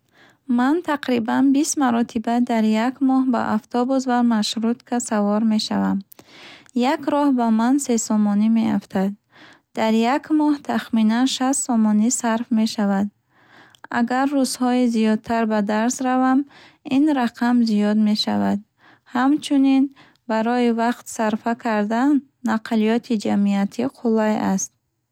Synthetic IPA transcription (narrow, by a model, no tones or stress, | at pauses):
mant̪ʰaqɾibanbist̪maɾɔt̪ʰibad̪aɾjakmɔhba̰ʔaft̪ʰɔbus̬vamaʃɾut̪kʰasavɔɾme̞ʃa̰vam | jakɾɔhbamanse̞sɔmɔnime̞aft̪ʰad̪̚ | d̪̥aɾjakmɔht̪ʰaχminanʃast̪sɔmɔnisaɾfme̞ʃavad̪ | a̰ɡaɾːuzhɔizijɔd̪̚t̪ʰaɾbad̪aɾsɾavam | inɾaqʰamzijɔd̪me̞ʃa̰vad̪̚ | hamt͡ʃʰunin | baɾɔivaqt̪saɾfakʰaɾd̪anː | aqʰlijɔt̪ʰid͡ʒamiat̪ʰiqʰulajast̪̚